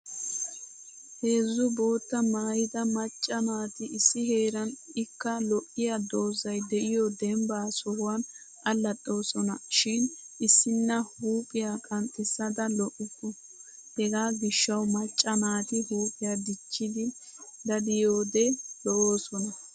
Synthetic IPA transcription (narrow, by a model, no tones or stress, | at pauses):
he̞ːzːʊbo̞ːt̪ːɐmaːjɪd̪ɐmɐt͡ʃʼːɐmaːt̪ɪʔɪsːɪhe̞ːɾɐnɪkːɐlɔʔɪjad̪o̞ːzɐjd̪ɛʔɪjɔd̪ɛmbaːsɔhʊwan | ʔɐlːɐtʼːo̞ːsɔnɐʃɪnʔɪsːɪnːɐhuːpʼɪjakʼɐnt̪ʼːɪsːɐd̪ɐlɔʔɪkʼːɔ | hɛɡaːɡɪʃːɐwmɐt͡ʃʼːɐmaːt̪ɪhuːpʼɪjaːd̪ɪt͡ʃːɪd̪ɪ | d̪ɐd̪ɪjoːd̪ɛlɔoːsɔnɐ